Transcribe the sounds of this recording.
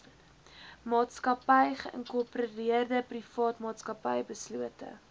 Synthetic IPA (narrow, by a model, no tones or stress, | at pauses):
mɑːtskɐpɐjχəʔə̰ŋkurpriərdəprifɑːtmɑːtskɐpɐjbəsluətə̰